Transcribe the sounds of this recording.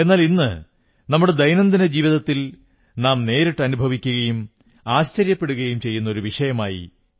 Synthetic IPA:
e̞nːaːlinːɨ̰ | nɐmːuɽed̪ɐjnɐnd̪inɐd͡ʑiːʋiðɐt̪ːil | naːmne̞ːɾiʈːɨɐnubʱɐʋikʲːuɣɐjum | aːɕt͡ɕɐɾjɐpːe̞ɽuɣɐjumt͡ɕe̞jːunːɐo̞ɾuʋiʂɐjɐmaːjḭ

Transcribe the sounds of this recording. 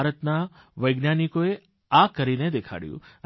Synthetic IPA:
ɾət̪na | ʋəjɡnjanikoe | akəɾined̪ekʰa̰ɽjṵ̃

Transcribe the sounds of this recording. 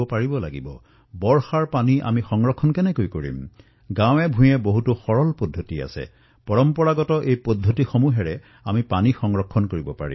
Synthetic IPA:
ɔpaɹibɔlaɡibɔ | bɔɹxaɹpaniʔa̰mixɔŋɹɔkʰːɔnkɛnɛkojkoɹḭm | ɡãw̃ɛbʱũjɛboɦutuxɔɹɔlpɔdʱːotia̰sɛ̰ | pɔɹɔmpɔɹaɡɔtɔʔejpodʱːotixomuɦɛɹɛ | amipanixɔŋɹɔkʰːɔnkoɹibɔpa̰ɹḭ

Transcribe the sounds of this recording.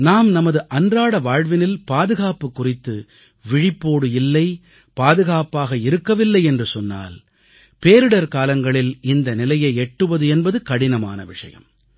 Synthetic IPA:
naːmnɐmɐðɯʔɐndraːɽɐʋaːɻʋɪnɪlpaːðɯɣaːpɯkːʊrɪt̪ːɯ | ʋɪɻɪpːoːɽɯjɪlːɐɪ | paːðɯɣaːpaːɣɐɪɾɯkːɐʋɪlːɐɪɛndrɯsɔnːa̰ːl | peːɾɯɽɐɾkaːlɐŋɡɐɭɪlɪnd̪ɐnɪlɐjɐɪɛʈːɯʋɐðɯɛnbɐðɯkɐɽɪnɐma̰ːnɐ̰ʋɪʂɐ̰jɐ̰m

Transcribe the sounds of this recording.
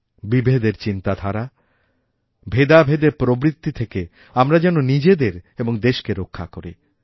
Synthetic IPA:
bibʱed̪eɾt͡ɕint̪ad̪ʱaɾa | bʱed̪abʱed̪eɾpɾobɾit̪ːit̪ʰeke | amɾad͡ʑɛnonid͡ʑed̪eɾeboŋd̪eʃkeɾokʰːakoɾi

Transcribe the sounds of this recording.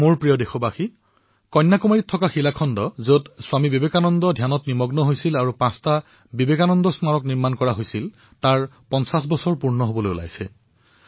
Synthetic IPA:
muɹpɹijɔdexɔbaxi | kɔjnːakumaɹitʰːɔkaxilakʰɔndɔzotswamibibekanɔndɔdʱjanɔtnimɔɡnɔɦojsilaɹupãsta | bibekanɔndɔsmaɹɔkniɹmankɔɹaɦojsil | taɹpɔnsasbɔsɔɹpuɹnɔɦobɔlojṵla̰jsɛ̰

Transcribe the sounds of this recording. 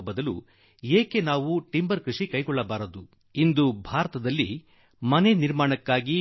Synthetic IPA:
bɐd̪ɐlu | eːke̞naːʋuʈimbɐɾkɾuʂikɐjɡɔɭːɐbaːɾɐd̪u | ind̪ubʱaːɾɐt̪ɐd̪ɐlːi | mɐneniɾmaːɳɐkːaːɡi

